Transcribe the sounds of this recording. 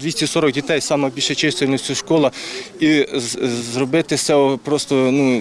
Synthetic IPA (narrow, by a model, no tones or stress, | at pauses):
d̪ʲʋisʲtʲisɔɾɔɡdʲit̪ɛjsɑmɐbʲilʲʃet͡ʃɪst̪ʲelʲnɔsʲtʲʊʃkɔlˠɐ | i | zrɔbɪt̪ɪsɛɔpɾɔst̪ɔnu